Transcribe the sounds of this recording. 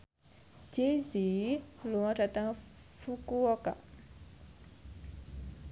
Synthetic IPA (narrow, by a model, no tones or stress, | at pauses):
d͡ʒeziluŋaʈ͡ʂat̪aŋ | fukuɔka̰